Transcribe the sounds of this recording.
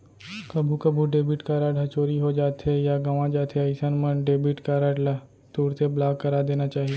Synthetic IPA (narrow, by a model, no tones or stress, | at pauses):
kɐbʱukɐbʱuɖeːbɪʈkaːɾaːɖɐt͡ʃoːɾiɦod͡ʒaːt̪ejaɡɐʋãd͡ʒaːt̪ʰeɐɪsənmənɖeːbɪʈkaːɾaːɽla | t̪uːɾt̪eblaːɡkɐɾaːd̪eːnat͡ʃaːɦieː